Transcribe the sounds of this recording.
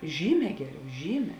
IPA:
ˈʒʲiːˌmʲɛː ˈɡʲæːˌrʲɛʊ ˈʒʲiːˌmʲɛː

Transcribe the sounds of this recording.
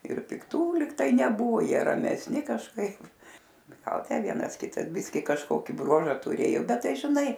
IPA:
ɪr pʲɪkˈtuː lʲiːk ˈtɐɪ nʲɛˈbʊʋoː ˈjiɛ rɐmʲɛsʲˈnʲɪ kɐʃˈkɐɪp ɡɐlˠ ˈtʲæː ˈʋʲiɛnɐs ˈkʲɪtɐs ˈbʲɪsʲkʲɪ kɐʃˈkoːkʲɪ ˈbruɔʒɐ tʊˈrʲeːjoː ˈbʲɛt ˈtɐɪ ʒʲɪˈnɐɪ

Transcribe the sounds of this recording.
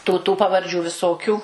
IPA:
ˈtuː tuː pɐʋɐrʲˈd͡ʒʲuː ʋʲɪˈsoːkʲuː

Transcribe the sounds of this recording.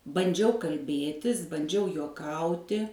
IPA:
bɐnʲˈd͡ʒʲɛʊ kɐlʲˈbʲeːtʲɪs bɐnʲˈd͡ʒʲɛʊ juɔˈkɐʊtʲɪ

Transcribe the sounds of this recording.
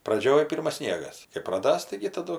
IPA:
ˈprɑːd͡ʒʲoːj ˈpʲɪrmɐs ˈsʲnʲiɛɡɐs kɐɪ prɐˈdɐs tɐɪɡʲɪ tɐˈdʊ

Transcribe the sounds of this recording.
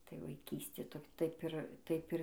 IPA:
tɐɪ ʋɐɪˈkʲiːsʲtʲeː ˈtoː ˈtɐɪp ɪr ˈtɐɪp ɪr

